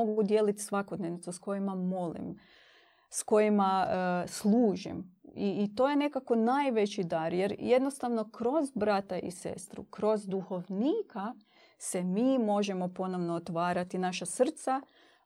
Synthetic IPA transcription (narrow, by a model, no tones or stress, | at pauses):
oɡud̪jelit̪sʋako̞d̪neʋnit̪usko̞jimamo̞lḭm | sko̞jimaslˠuːʒḭmiːt̪o̞je̞ne̞kako̞najʋe̞t͡ɕid̪aɾjeɾje̞d̪no̞st̪aʋno̞kɾo̞zbɾat̪aʔḭse̞̰st̪ɾṵkɾo̞zd̪uxo̞ʋniːka | semiːmo̞ʒemo̞po̞no̞ʋnoːt̪ʋaːɾat̪inaʃasr̩t̪sa